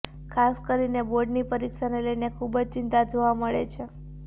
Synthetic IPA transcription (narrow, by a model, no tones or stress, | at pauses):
kʰaskəɾineboɖnipəɾikʃaneləjnekʰubəd͡ʒt͡ʃɪnt̪ad͡ʒoʋaməɭḛt͡ʃʰe